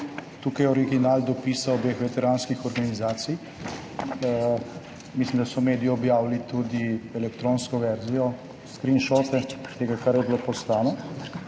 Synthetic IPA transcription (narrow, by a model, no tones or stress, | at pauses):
t̪uːkajɛɔɾiɡinaːld̪ɔpiːsaobexʋɛt̪ɛɾanskixɔɾɡanizaːt̪sij | mislimd̪asɔmeːd̪ijɔɔbjaːwlit̪ud̪iɛlɛkt̪ɾoːnskɔʋɛɾzijɔ | skɾinʃɔt̪ɛt̪eːɡakaɾjɛbilopɔst̪aːnɔ